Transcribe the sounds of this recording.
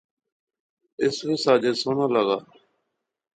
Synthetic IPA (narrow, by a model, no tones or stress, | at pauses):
ɪsʋeːsaːd͡ʒeːsoːnãːləɡa̰ː